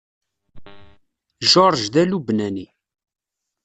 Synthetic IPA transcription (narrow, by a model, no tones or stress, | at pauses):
ʒoɾˤʒd̪ælubnæni